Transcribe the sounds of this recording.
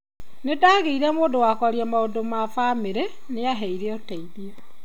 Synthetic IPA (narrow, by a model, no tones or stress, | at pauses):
nedaːɣeiɾɛmoːndowaːkɔaɾiamaodomafameɾe | neaɦɛiɾeɔtɛiðia